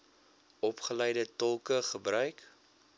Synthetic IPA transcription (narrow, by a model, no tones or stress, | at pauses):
ɔpχəlɛjdətɔlˠkəχəbrœɥk